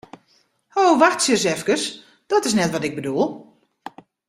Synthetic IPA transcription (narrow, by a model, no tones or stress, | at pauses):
howʋaxtsjəs̬ɛfkəs | d̥ɔtɪsnɛtʋɔtɪɡ̚bədulˠ